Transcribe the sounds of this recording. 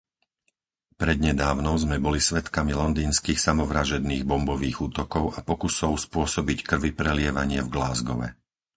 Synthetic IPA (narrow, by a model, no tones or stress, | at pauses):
pɾɛd̪ɲɛd̪aːʊnɔʊzmɛbɔlisʋɛt̪kamilɔnd̪iːnskiːxsamɔʋɾaʒɛd̪niːɣbɔmbɔʋiːɣuːt̪ɔkɔʊapɔkusɔʊspʊɔsɔbickr̩ʋipɾɛlɪɛʋaɲɪɛvɡlaːzɡɔʋɛ̰